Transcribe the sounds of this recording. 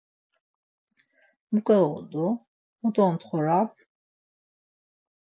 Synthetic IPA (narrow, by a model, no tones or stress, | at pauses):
mukʼɛɔd̪u | ud̪ɔnt̪χɔɾab